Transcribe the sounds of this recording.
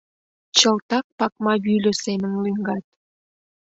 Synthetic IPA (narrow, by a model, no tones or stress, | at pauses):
t͡ɕəlt̪ɑk̚pɑk̚mɑβylʲø̆semə̆nlyŋɡɑt̪̚